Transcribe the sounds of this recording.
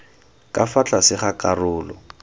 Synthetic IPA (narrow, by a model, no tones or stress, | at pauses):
kʼafat͡ɬʼasɪχakʼarʊːlɔ̰